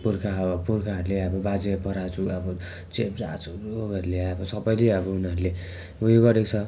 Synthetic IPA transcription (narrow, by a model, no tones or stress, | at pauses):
purkʰaʌpurkʰaɦʌɾuleʌbʌbad͡zepʌɾat͡sʰuʌbʌ | t͡sep̚d͡za̰ːt͡sʰuoʌɾuleʌbʌsʌbʌjleʌbʌunʌɾule | ʌbʌjoɡʌɾekt͡sʰʌ